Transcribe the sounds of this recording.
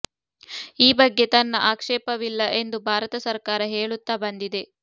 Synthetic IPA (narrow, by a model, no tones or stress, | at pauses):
iːbɐɡːe̞t̪ɐnːɐʔaːkʂɛːpɐʋilːɐʔe̞nd̪ubʱaːɾɐt̪ɐsɐɾkaːɾɐɦeːɭut̪ːaːbɐnd̪id̪e̞